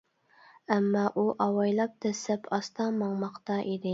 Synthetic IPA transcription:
æmːɑːʔuʔɑwɑjlˠɑp̚t̪ʰɛsɛpʰɑst̪ʰɑmɑŋmɑqt̪ɑʔid̪ɪ

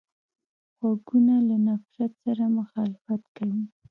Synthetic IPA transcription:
xwaɡunalanafɾat̪saɾamʊxɑlɪfat̪kawi

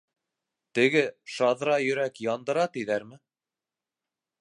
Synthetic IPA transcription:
t̪ɘ̆ɡɘʃɑðɾɑjɵ̆ɾækjɑnd̪ɤ̆ɾɑt̪iðæɾmɘ

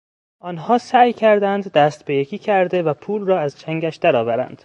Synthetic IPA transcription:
ʔɒːnɦɒːsæːjcʰæɾd̪ænd̪ːæːst̪be̞jekʰʲiːcʰæɾd̪e̞væpʰuːlrɒːæzt͡ʃʰæŋɟæʃd̪æɾɒːvæɾæ̰nd̪̥

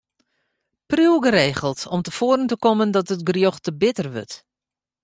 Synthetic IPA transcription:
pruwɡəɾeːχəlˠtɔmtəfoːɾəntəkɔməndɔtətɡrjoxtəbɪtərʋø̰t

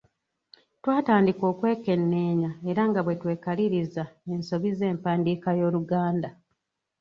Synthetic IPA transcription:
twaːtaːndiko̞ːkwe̞ːke̞nːe̞ːɲae̞ɾaŋɡaβwe̞twe̞ːkaliɾizae̞nso̞βize̞ːmpaːndikajo̞ːluɡaːnda

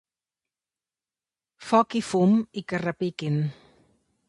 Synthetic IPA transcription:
fɔkifumikərapikin

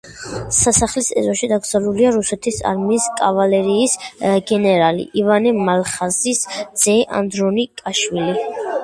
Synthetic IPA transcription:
sasaχlisɛ̰zɔʃid̪aɡzaluliaɾusɛt̪ʰisa̰ɾmiːskʼavalɛɾiːsɡɛnɛɾalḭʔivanɛmalχazisd̪z̥ɛʔa̰nd̪ɾɔnikʼaʃwili

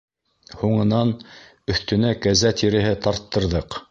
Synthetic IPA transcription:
huɴɤ̆nɑn | ɵ̆θt̪ɵ̆nækæzæt̪ʰiɾɘ̆ɦɘt̪ɑɾt̪ːɤ̆ɾðɤq

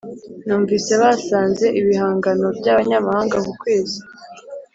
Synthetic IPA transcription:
nuːɱviːse̞βasaːnze̞ʔiβihaːŋɡano̞vɟaːβaɲamahaːŋɡakukweːzi

